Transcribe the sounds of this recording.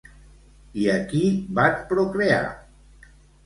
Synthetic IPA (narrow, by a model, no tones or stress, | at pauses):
iəkibat͡spɾokɾea̰